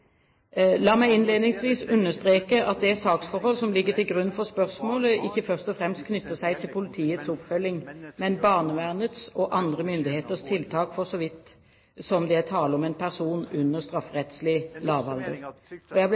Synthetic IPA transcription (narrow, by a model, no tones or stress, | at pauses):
lɑːmæɪɪnleːd̪nɪŋsʋiːsʉnːəst̪ɾeːkəʔɑt̪̚d̪ɛæsɑːksfɔɾhɔlsɔmlɪɡːət̪ɪlɡɾʉnːfɔʁspœʁsmoːləʔɪçːəfœʁst̪ɔfʁɛmst̪̚kʰnʏt̪ːəsæɪt̪ʰɪlpʰʊlɪt̪ʰiːət̪sɔpfœlːɪŋmɛnbɑːʁnəʋæʁnət̪sɔʔɑnd̪ʁəmʏnd̪ɪheːt̪əst̪ʰɪlt̪ʰɑːkfɔsɔʋɪt̪ː | sɔmd̪ɛæt̪ʰɑːləɔmɛnpʰæʁsuːnʉnːəst̪ɾɑfʁɛt̪slɪlɑːʋɑld̪əʁɔjæɪ